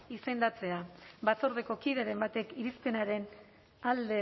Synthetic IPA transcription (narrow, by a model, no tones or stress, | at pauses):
ise̞nd̪at͡se̞abaso̞ɾðe̞ko̞kiðe̞ɾe̞mbat̪e̞kiɾispe̞naɾe̞n | ald̪e̞